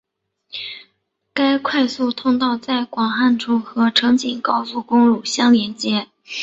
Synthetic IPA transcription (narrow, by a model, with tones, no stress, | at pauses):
ka˥ɪkʰwa˥˧ɪsu˥˩t̪ʰʊ˥ŋt̪ɑ˥˧ʊt͡sa˥˩ɪkwɑ˨˩ŋxa˥˩nʈ͡ʂʰu˥xɤ˧˥ʈ͡ʂʰɤ˧˥ŋt͡ɕi˨˩ŋkɑ˥ʊsu˥˩kʊ˥ŋlu˨˩ɕjɑ˥ŋljɛ˧˥nt͡ɕjɛ˧˥